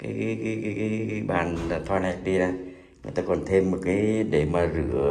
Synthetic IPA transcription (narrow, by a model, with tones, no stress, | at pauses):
kaː˨˦jka˨˦kaː˨˦kːka˨˦˧ɓa̰ː˨˩nla˨˩t̪ʰɔː˧jna˨˧˩k̚ɗi˧zaː˧˩ | ŋɨ˨əjt̪aː˧kɔ˨˩nt̪ʰe˧mːo˨t̚kaː˨˦jɗe˧˩maː˨˩zɨ̰˧˩˨ə